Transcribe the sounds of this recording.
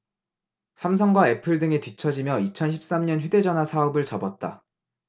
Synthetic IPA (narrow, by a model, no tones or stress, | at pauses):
sʰams̬ʰʌŋɡwae̞pʰɯɭdɯŋetɥit͡ɕʰʌd͡ʑimjʌit͡ɕʰʌnɕʰip̚s͈amɲʌnçude̞d͡ʑʌnɦwasʰaʌbɯɭt͡ɕʌbʌt̚t͈a